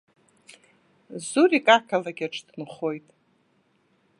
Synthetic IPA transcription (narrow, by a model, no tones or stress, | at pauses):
zuɾikʼakʰalaɡʲaʈ͡ʂʰʼdnχo̞jtʼ